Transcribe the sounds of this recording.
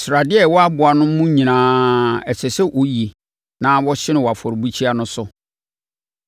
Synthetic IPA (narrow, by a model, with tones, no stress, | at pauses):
sʊ˨ɾa˨dɪ˦ɛ˦˨wɔ˦a˦bʊ˨a˨nʊ̃˦mũ˦ɲĩ˨nãː˦ɛ˨sʰɛ˨sɛ˦ʔo˦ji˨ | nã˦wɔ˦ɕɪ˦nɪ̃˨wɔ˨a˨fɔ˨ɾbu˦t͡ɕʰi˦a˦nʊ̃˦sʊ˦